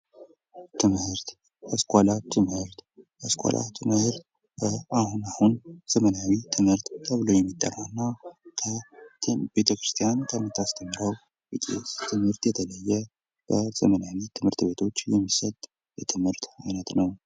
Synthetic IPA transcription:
t̪ʰɨmhɨɾt̪ | ʔəskʼalat̪ʰɨmhɨɾt̪ʔəskʷʼa̰lʔa̰t̪ʰɨmhɨɾt̪ | bəahunahunz̥əmənawit̪ʰɨmhɨɾt̪t̪ʰəβɨlojɛmːit̪ʼːə̰rːaɨnːakʰə | be̞t̪ʰəkɾɨst̪ʰijank̪ʰəmːɨt̪ʰːast̪ʰəmːɨɾəw | wɨtʼḛst̪ʰɨmhɨɾt̪jɛt̪ʰələjːɛ | b̥əz̥əmənawit̪ʰɨmhɨɾt̪be̞t̪ʰo̞t͡ʃːjɛmːisət̪ʼ | jɛt̪ʰɨmhɨɾt̪manət̪nəw

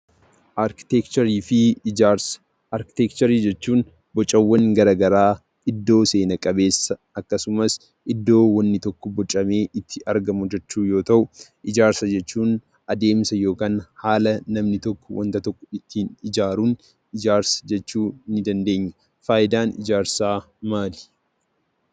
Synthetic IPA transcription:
ʔɾkɪt̪ɛkt͡ʃɐɾiːfɪs | ɐɾkɪ̥t̪ɛkt͡ʃɐɾiːd͡ʒɛt͡ʃːuːn | bɔt͡ʃʼːɐwːɐŋɡɐɾɐɡɐɾaː | ɪd̪ːo̞ːse̞ːnɐkʼɐbe̞ːsːɐ | ɐkːɐsʊmɐs | ʔɪd̪ːo̞ːwɐnːɪt̪ɔkːɔbɔt͡ʃʼːɐme̞ːʔɪt̪ʰːɪʔɐɾɡɐmʊd͡ʒɛt͡ʃːuːjo̞ːt̪ɐʔʊʔɪd͡ʒaːɾsɐd͡ʒɛt͡ʃːuːn | ɐd̪e̞ːmsɐjo̞ːkaːnhaːlɐnɐmnɪt̪ɔkːɔwɐ̰nt̪ɐt̪ɔkːɔɪt̪ʰːiːnɪd͡ʒaːɾuːn | ɪd͡ʒaːɾsɐ̥d͡ʒɛt͡ʃːuːnɪd̪ɐnd̪e̞ːɲːɐ | faːʔɪd̪aːnɪd͡ʒaːɾsaː | maːli̥

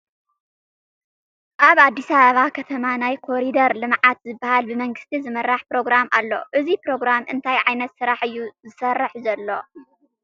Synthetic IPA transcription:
ʔaβad̪ːisaβɐβakʰɐt̪ʰɐmanajkʰo̞ɾid̪ɐɾlɨmʕat̪zɨbːahalbɨmɐŋɡɨst̪ʰizɨmɐɾːaħpɾo̞ɡɾamʔa̰lːo̞̰ʔɨzipɾo̞ɡɾamʔɨnt̪ʰajʕajnɐt̪sɨɾaħɨjːuzɨsɐrːɨħzɐlːo̞̰

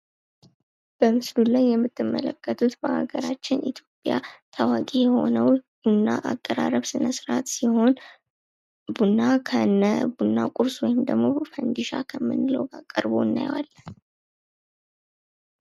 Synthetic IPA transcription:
b̥əmɨslulajːɛmːɨt̪ːɨmːə̰ləkʰːət̪ʰut̪bəʔaɡəɾat͡ʃːɪnit̪ʰjo̞pʼjat̪ʰawakʼejɛho̞̰nəwb̥unːaʔakʼːəɾa̰ɾəβsɨnəsɨɾat̪siho̞n | bunːakʰənːəbunːakʼuɾswɔjɪmd̪əɡmo̞fənd̪iʃakʰəmːɨ̰nləwɡakʼəɾbo̞ɨnːa̰jwa̰lːən

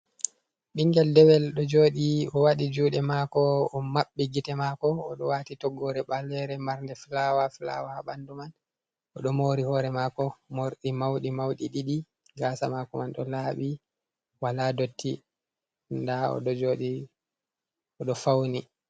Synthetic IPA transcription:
ɗiŋɡɛldɛwɛlɗɔd͡ʒoːɗiɔwaɗid͡ʒuːɗɛmakɔɔmaɓːiɡitɛmaːkɔːɗɔwatitɔɡɔɾɛɓalːɛɾɛmaɾndɛfilawafila̰waɓanduman | ɔɗɔmoːɾihɔɾɛmaːkɔmoɾɗimawɗimawɗiɗiɗi | ɡaːsamakɔmanɗɔ̰laːɓi | waladotːi | ndaɔ̰ɗɔd͡ʒoɗi | ɔɗɔfawni

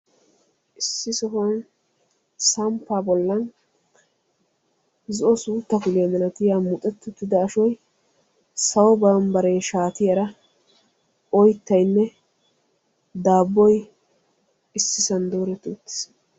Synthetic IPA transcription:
ʔɪsːɪsɔɦɔn | sɐmpːaːbɔlːɐn | zɔʔɔsuːt̪ːɐkʊlɪjɐmɐnɐt̪ɪjaːmʊt̪ʼɛt̪ːʊt̪ːɪd̪ɐːʃɔj | sɐwɔbaːmbɐɾɛjʃaːt̪ɪjɐɾɐ | ʔɔjt̪ːɐjnːɛ | d̪aːbːɔj | ɪsːɪsɐnd̪oːɾɛt̪uːt̪ːɪ̥s

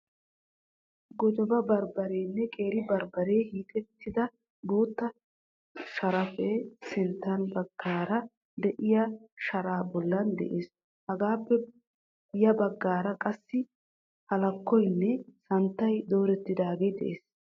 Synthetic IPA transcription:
ɡɔd͡ʒɔbɐbɐɾbɐɾeːnːɛkʼe̞ːɾɪbɐɾbɐɾe̞ːhiːt̪ʼɛt̪ːɪd̪ɐ | boːt̪ːɐ | ʃɐɾɐfesɪnt̪ːɐnbɐɡːaːɾɐ | d̪ɛʔɪjɐʃɐɾaːbɔlːɐnd̪ɛ̰ʔeːs | hɐɡaːpːɛ | jɐbɐɡːaːɾɐkʼɐsːɪ | hɐlɐkːɔjnːɛsɐnt̪ːɐjd̪o̞ːɾɛt̪ːɪd̪aːɡeːd̪ɛ̰ʔeːs

